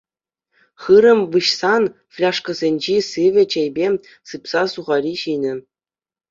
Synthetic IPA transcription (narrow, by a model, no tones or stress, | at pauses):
χɯɾɤ̆mʲʋɯɕsɑn | fʲlʲɑʂkɤ̆zʲenʲd͡ʑisɯʋʲɘ̆t͡ɕejbʲe | sɯpsɑsuʁɑɾʲiɕinʲɘ̆